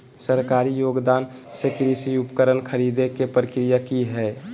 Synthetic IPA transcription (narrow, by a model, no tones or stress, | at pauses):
səɾkaːɾijoːɡd̪aːn | sekɾisiupkəɾənkʰəɾid̪ekepɾəkɾijakiɦɛ